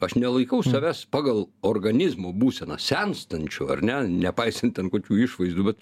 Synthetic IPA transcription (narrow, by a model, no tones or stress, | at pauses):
ɐʃnʲɛlˠɐɪkɐʊssɐʋʲæspɑːɡɐlˠoːrɡɐnʲɪzmoːbuːsʲɛnɐsʲɛnst̪ɐnʲt͡ʃʲʊɐ̰rnʲɛnʲɛpɐɪsʲɐnt̪tʲɛnkoːkʲuːɪʃʋɐɪzd̪uːbʲɛt̪